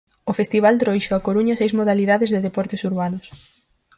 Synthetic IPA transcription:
ofest̪iβ̞ald̪ɾojʃoakoɾuɲɐsejzmoðaliðaðɪzðeðepɔɾt̪ɪsuɾβanʊs

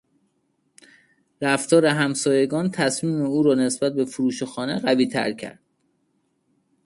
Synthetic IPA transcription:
ɾæft̪ɒːɾeɦæmsɒːje̞ɡɒːnt̪ʰæsmiːmeuːɾɒːne̞sb̥æt̪̚be̞fuɾuːʃexɒːne̞ɢæviːt̪ʰæ̰ɾcʰæ̰ɾd̪̥̚

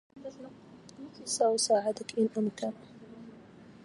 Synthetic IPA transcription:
saʔʊsaːʕɪd̪akʔɪnʔamka

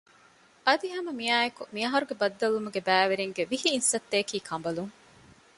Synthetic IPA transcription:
ʔɐd̪iɦɐmɐmiaːjekumiɐɦɐɾuɡebɐd̪ːɐlumuɡebæːʋeɾeŋɡeʋihiːnsɐt̪ːeːkiːkʰɐmbɐluŋ

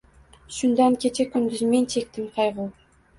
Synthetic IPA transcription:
ʃʊnd̪ankʲʰe̞t͡ʃʰekʲʰʊnɡ̪ʲɪzme̞nt͡ʃʰe̞k̚ʲt̪ɪmqʰɑjʁu

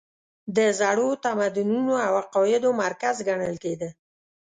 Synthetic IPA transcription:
d̪əzaɽot̪amad̪ununoawaqɔɪd̪omaɾkazɡaɳəlked̪ə

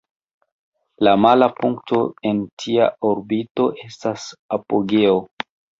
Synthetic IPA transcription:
lamalapuŋkto̞e̞ntʰia̰ʔoɾbito̞ʔe̞stasapoɡe̞o

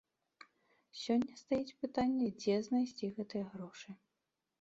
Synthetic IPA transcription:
sʲɔnʲːɐst̪ajit͡sʲpɨt̪anʲːɛd͡zʲɛznɐjsʲt͡sʲiɣɛt̪ɨjɐɣɾɔʂɨ

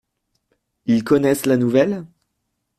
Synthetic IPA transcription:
ilkɔnɛslanuvɛl

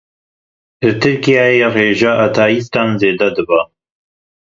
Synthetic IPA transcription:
lɨt̪ʰɨɾkijaːjereːʒaʔat̪ʰaːjist̪ɑːnzeːd̪ɛd̪ɨba

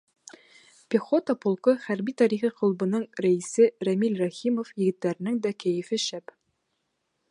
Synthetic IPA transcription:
pʲiχot̪əpŏlˠqɤχæɾbit̪ɑɾiχiqŏlˠbɤ̆nɤɴɾæisɘɾæmilrɑχimofjɘ̆ɡɘ̆t̪ːæɾɘ̆nɘŋd̪ækæjɘ̆fɘʃæp

